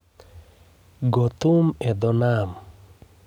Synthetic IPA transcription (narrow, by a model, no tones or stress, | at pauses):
ɡɔt̪umɛd̪ɔnam